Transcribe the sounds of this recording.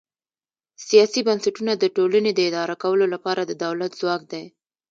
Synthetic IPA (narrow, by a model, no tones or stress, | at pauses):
sijɑsibansaʈunad̪əʈolaned̪əɪd̪ɑɾakawəlolapɑɾad̪əd̪awlat̪z̥wɑk̚d̪a